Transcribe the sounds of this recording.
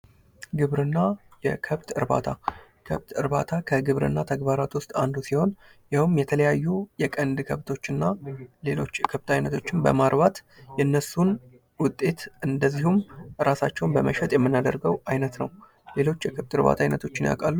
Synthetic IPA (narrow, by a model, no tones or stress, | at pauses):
ɡɨβɾɨnːajɛ̰kʰəβt̪ʰɨ̰ɾba̰t̪ʰa | kʰəβt̪ɨɾbat̪ʰakʰəɡɨβɾɨ̰nːat̪ʰəɡbaɾat̪wʊst̪ʼand̪usiho̞n | jawɨmjɛt̪ʰələjajːujɛkʼənd̪kʰəβt̪ʰo̞t͡ʃːɨnːale̞lo̞̰t͡ʃːɛkʰəβt̪ʰʼajnət̪ʰo̞t͡ʃːɪnbə̰maɾβat̪jɛnːəsun | wʊt̪ʼːe̞t̪ʔɨnd̪əzːihumɾasat͡ʃːɛwnbəməʃɛt̪ʼjɛmːɨnːad̪əɾɡəwajnət̪nə̰w | le̞lo̞t͡ʃːjɛkʰəβt̪ɨɾβa̰t̪ʰajnət̪ʰo̞t͡ʃːɪnja̰kʼalːu